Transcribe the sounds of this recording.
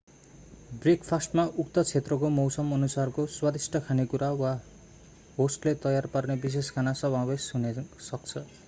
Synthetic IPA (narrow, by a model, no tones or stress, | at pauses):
brikpʰasʈmaʔukt̪ʌt͡sʰet̪rʌkomʌwsʌmʌnusarkoswad̪isʈʰʌkʰanekuɾawa | ɦosʈlet̪ʌjarparnebis̬eskʰanasʌbabesunesʌk̚t͡sʰʌ